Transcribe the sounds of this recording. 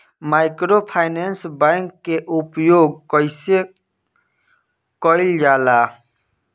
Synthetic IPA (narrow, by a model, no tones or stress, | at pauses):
maɪkɾopʰaɪnensbãŋkːeʔupjoɡ̚kəɪse | kɔɪld͡ʒaːla